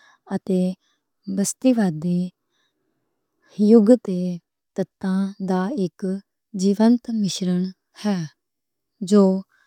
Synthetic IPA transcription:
ət̪eː | bəst̪iːʋaːd̪iː | jʊɡt̪eː | t̪ət̪ːãːd̪aːɪk | d͡ʒiːʋənt̪mɪʃɾəɳ | hɛː | d͡ʒoː

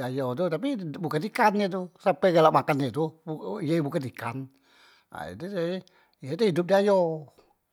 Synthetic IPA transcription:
ajot̪̬ut̪ap̬ibukandikanɲət̪̬usampɛɡalaʔmakanɲət̪uijebukandika̰n | a̰ḭt̪ut̪e | ijet̪uhidʊp̚diajo

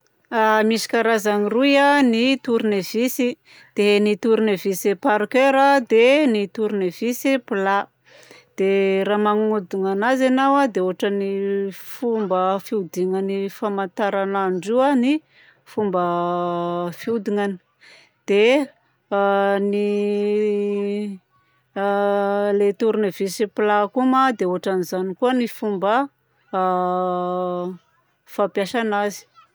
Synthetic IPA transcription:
amisi̥kʲaɾazaŋirujanit̪uɾunevisi | d̪̥enit̪uɾinevisepaɾikeɾad̪enit̪uɾinev̥isipla | d̪̥eɾamaŋud̪iŋanazenawad̪euɦaʈ͡ʂənifumbəfiud̪iŋanifamant̪aɾanaɳɖ͡ʐuani | fumbə | fiud̪iŋani̥ | d̪̥e | ni | let̪uɾunivisiplakumad̪eoɦaʈ͡ʂanizanikuənifumbə | fapjaʃanazi̥

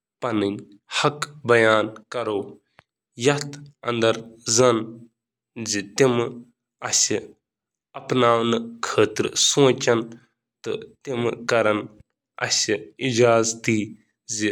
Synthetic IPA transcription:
pɐnɨnʲ | hɐkbɐjaːnkɐɾoː | jɐt̪ʰɐ̰nd̪ɐɾzɐn | zit̪im | ɐsi | ɐpnaːwnɨkʰəːt̪ɾsõːt͡ʃɐn | t̪ɨt̪imkɐɾɐn | ɐ̰siid͡ʒaːzt̪iː | zi

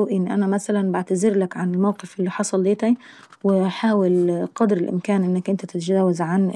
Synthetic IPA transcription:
uːʔɪnːiʔænæmæsalanbaʕt̪azɪɾlakʕanɪlmawqɪfʔɪlːiħɑsˤɑlːeːt̪a | wɪħaːwɪlqɑd̪ɾɪlʔɪ̰mkaːnʔɪnːakʔɪnt̪æt̪ɪt̪d͡ʒæːwazʕan

